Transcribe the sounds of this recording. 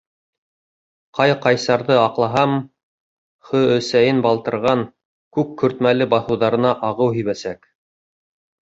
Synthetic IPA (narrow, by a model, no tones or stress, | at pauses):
qɑjqɑjsɑɾðɤɑqlˠɑɦɑm | χɵɵ̆sæjɘnbɑlˠt̪ɤ̆ɾʁɑŋ | kʉkːɵ̆ɾt̪mælɘbɑθɤ̆wðɑɾɤ̆nɑʔɑʁɤwɦiβæsæk